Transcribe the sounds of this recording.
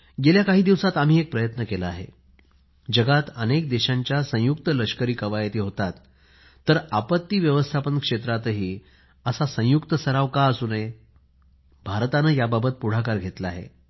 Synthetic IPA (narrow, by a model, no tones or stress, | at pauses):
ɡeljakaɦiːd̪iʋsat̪am̤iːek̚pɾəjət̪nəkelaaɦḛ | d͡ʑəɡat̪ənek̚d̪eɕaɲt͡ɕjasə̃juk̚t̪ələɕkəɾiːkəʋajt̪iːɦot̪at̪ː | əɾapət̪ːiːʋjəʋəst̪ʰapənkʂet̪ɾat̪ɦiː | əsasə̃jukt̪əsəɾaʋkaəsune | bʱaɾt̪anəjababət̪̚puɽ̤akaɾɡʱet̪laːɦḛ